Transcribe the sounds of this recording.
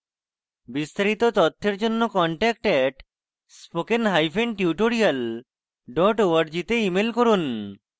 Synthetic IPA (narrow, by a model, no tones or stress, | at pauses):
bist̪aɾit̪ot̪ɔt̪ʰːeɾd͡ʑonːokɔɳʈɛk̚ʈɛʈ | spokenɦajfʰeɳɖʈjuʈoɾial | ɖɔʈoaɾd͡ʑit̪eimelkoɾun